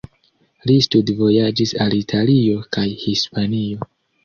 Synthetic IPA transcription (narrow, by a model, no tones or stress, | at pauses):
listudvo̞jad͡ʒisalitʰalio̞kajhispanio̞